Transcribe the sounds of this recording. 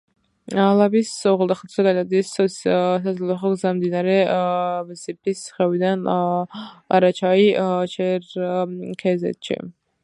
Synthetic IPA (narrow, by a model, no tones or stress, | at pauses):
alabisɔʁɛlˠd̪aχat̪ʰzɛɡad̪ad̪issazlɛlˠɔχɔɡzamd̪inaɾɛ | sip̚t̪isχɛvid̪an | aɾat͡ʃʰait͡ʃʰɛɾkʰɛzɛ̰t̪ʃḭ